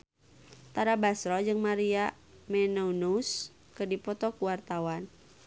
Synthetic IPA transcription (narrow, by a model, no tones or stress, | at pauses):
t̪aɾabasɾɔd͡ʒɨŋmaɾia | mɛnounus | kɨrdipɔt̪ɔkuwart̪awan